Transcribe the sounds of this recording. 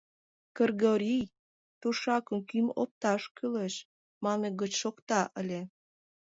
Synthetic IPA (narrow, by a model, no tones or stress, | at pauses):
kərɣoɾʲij | t̪uʃɑkə̆mkymo̰p̚t̪ɑʃkyleʃ | mɑneɣət͡ɕʃokt̪ɑʔəlʲe